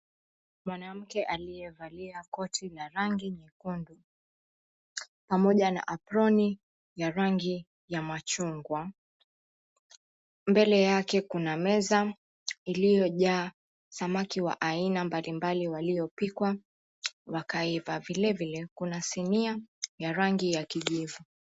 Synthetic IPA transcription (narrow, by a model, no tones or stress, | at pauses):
mwanam̩kɛʔalijɛvaliakɔtʰilaɾaŋɡiɲɛkundu | pamɔʄana̰ʔapɾɔni | jaɾaŋɡi | jamat͡ʃuŋɡwa | mbɛlɛjakɛkunamɛza | ilijɔʄaː | samakiwa̰ʔainambalimbaliwalijɔpikwa | wakaivavilɛvilɛkunasiniajaɾaŋɡijakiʄivu